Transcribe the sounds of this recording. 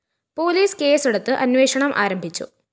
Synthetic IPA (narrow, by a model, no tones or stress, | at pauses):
po̞ːliːske̞ːsiɽɐt̪ːɨʔɐnʋe̞ːʂɐɳɐmʔa̰ːɾɐmbʱit͡ɕːṵ